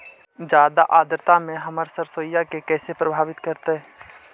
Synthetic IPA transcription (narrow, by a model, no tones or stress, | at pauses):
d͡ʒjaːd̪aʔaːd̪ɾt̪ãmẽɦəməɾsəɾsoːjakekɛːsepɾəbʱaːʋɪt̪kəɾt̪eɦɛː